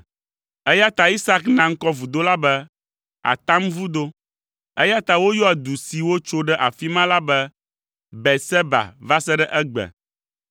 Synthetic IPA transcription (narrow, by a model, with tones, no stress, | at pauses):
ɛ˦ja˦t̪a˨i˦sa˦knã˨ŋ̩˦kɔ˦vu˨d̪o˦la˦bɛ˦ | a̰˨t̪a˦mvu˦d̪o˦ | ɛ˦ja˦t̪a˨wo˦jɔ˦ɛ˨d̪u˨si˨wo˦t͡ʃo˦ɖɛ˦ʔa̰˨fi˦mã˦la˦bɛ˦ | bɛ˨sɛ˦ba̰˨va˦sɛ˦ɖɛ˦ʔɛ˦ɡ͡bɛ̰˨